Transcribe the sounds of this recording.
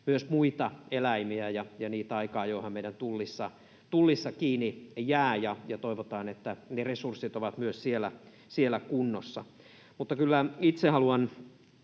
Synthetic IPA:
myøsmuit̪ɑelæimiæjɑjɑniːt̪ɑikɑːjoihɑmmeiɾænt̪ulːisːɑ | t̪ulːisːɑkiːnijæːjɑjɑt̪oiʋot̪ɑːnet̪ːæneresursit̪oʋɑt̪myøssielæ | sielːˑækunːosːɑ̰ | mut̪ːɑkylːæit̪sehɑluɑn

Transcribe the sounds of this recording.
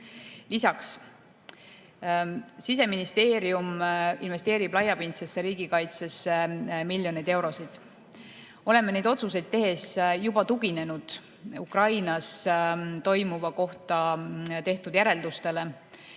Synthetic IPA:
lisɑks | sise̞minist̪e̞ːɾiumḭnve̞st̪e̞ːɾib̥lɑjɑpint̪sesːeɾiːɡ̥ikɑjt̪se̞semilʲːjo̞nid̪̥e̞wɾo̞sid̪̥ | o̞le̞mːene̞jd̪̥o̞t̪sus̬e̞jd̪̥̚t̪ːe̞ɦe̞sjubɑt̪uɡine̞nud̪̥ | ukrɑjnɑst̪o̞jmuvɑko̞ht̪ɑt̪eht̪ud̪̥jæɾe̞ld̪̥ust̪e̞le̞

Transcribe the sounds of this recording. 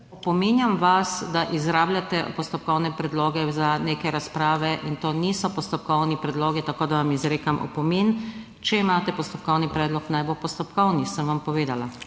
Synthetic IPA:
ɔpɔmenjamʋasd̪aʔizɾaːblʲjat̪ɛpɔst̪ɔp̚kɔwnɛpɾɛd̪loːɡɛzaneːkɛɾaspɾaːʋɛʔint̪oːnisɔpɔst̪ɔp̚kɔwnipɾɛd̪loːɡit̪akoːd̪aʋamizɾeːkamʔɔ̰pɔmeːn | t͡ʃɛimaːt̪ɛpɔst̪ɔp̚kɔwnipɾɛːd̪lɔknajbopɔst̪ɔpkɔwnisəmʋampɔʋeːd̪ala

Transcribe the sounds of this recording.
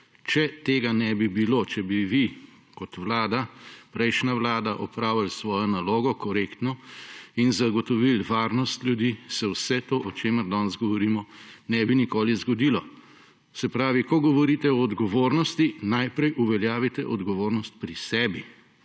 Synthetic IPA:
t͡ʃɛt̪eːɡanɛbibilot͡ʃɛbiʋi | kɔt̪ʋlaːd̪apɾɛjʃnaʋlaːd̪aʔɔpɾaːwjalsʋɔːjɔnaloːɡɔkɔɾeːkt̪nɔinzaɡɔt̪ɔʋilʋaːɾnɔst̪ljud̪isɛwsɛt̪oːʔɔt͡ʃeməɾd̪ɔnzɡɔʋɔɾiːmɔnɛbinikoːlizɡɔd̪iːlɔ | sɛpɾaːʋikɔɡɔʋɔɾit̪ɛɔːd̪ɡɔʋoːɾnɔst̪inajpɾɛjʔuʋɛljaːʋit̪ɛʔɔd̪ɡɔʋoːɾnɔst̪̚pɾisɛːbi

